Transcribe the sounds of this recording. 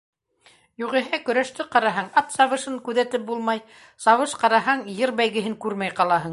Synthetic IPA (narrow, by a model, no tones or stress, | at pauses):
juʁɘ̆ɦɘkɵ̆ɾæʃt̪ɘqɑɾɑɦɑɴɑt̪sɑβɤ̆ʃɤŋkʉðæt̪ɘp̚bulˠmɑj | sɑβɤʃqɑɾɑɦɑɴjɤɾbæjɡɘ̆ɦɘŋkʉɾmæjqɑlˠɑɦɤɴ